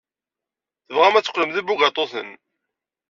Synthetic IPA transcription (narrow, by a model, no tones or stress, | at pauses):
θəvʁæmæt͡sːə̥qːləmðibuɡɑt̪ˤoθə̰n